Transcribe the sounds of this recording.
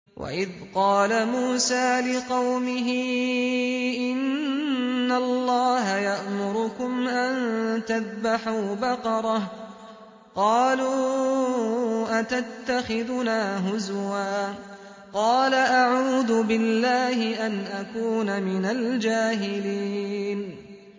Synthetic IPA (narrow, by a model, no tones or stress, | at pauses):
wʔa̰ʔɪðqɑːlamuːsaːlɪqɑwmɪɦɪ | ʔɪnnː | alˤːɑːɦajaʔmʊɾʊkʊmʔant̪aðbaħuːbɑqɑɾˤɑh | qɑːluː | ʔat̪at̪ːaxɪðʊnaːɦʊzwaː | qɑːlaʔaʕuːðʊbɪlːaːhɪʔanʔakuːnamɪnald͡ʒaːɦɪliːn